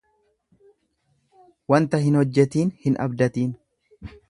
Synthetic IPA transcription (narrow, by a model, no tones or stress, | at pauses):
wɐnt̪ɐhɪnhɔd͡ʒːɛt̪iːnhɪnʔɐ̰bd̪ɐt̪iːn